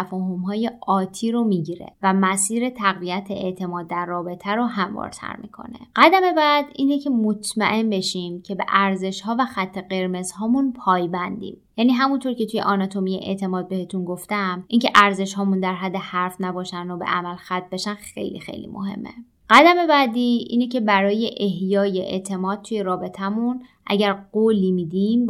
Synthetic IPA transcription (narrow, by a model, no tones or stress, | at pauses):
æfɒːɦo̞mɦɒːje̞ʔɒːt̪ʰiːɾomiːɟiɾe̞̰væmæsiːɾe̞t̪ʰæɣviæt̪ʰeeʔt̪ʰe̞mɒːd̪ːæɾːɒːbe̞t̪ʰæɾoɦæmvɒ̰ːɾt̪ʰæ̰ɾmḭkʰo̞̰ne̞̰ɢ̥æd̪æme̞bæd̪iːnecʰemot̪ʰmæʔe̞mbe̞ʃimcʰe̞be̞̰ʔæɾze̞ʃhɒːvæxæt̪ʰːe̞ɢe̞ɾme̞zhɒːmunpʰɒːjbænd̪ḭmjæːniːɦæmunt̪ʰoɾcʰe̞t̪ʰuje̞̰ʔɒnɒt̪ʰo̞mijḛʔḛʔt̪ʰe̞mɒːd̪̚be̞het̪ʰunɡoft̪æmʔiːŋkcʰe̞ʔæɾze̞ʃɦɒːmund̪æɾɦæd̪ːe̞hæɾfnæbɒːʃænd̪obe̞̰ʔæmælxæt̪̚ʰːbe̞ʃænxe̞̰jlḭxḛjlḭmo̰ɦe̞̰mːḛ | ɢ̥æd̪æme̞bæd̪iːʔḭːnecʰe̞bæɾɒːje̞ʔehjɒːje̞ʔḛt̪ʰe̞mɒːd̪̚t̪ʰuje̞ɾɒːbe̞t̪ʰæmunʔæ̰ɟæɾɢoːliːmiːd̪im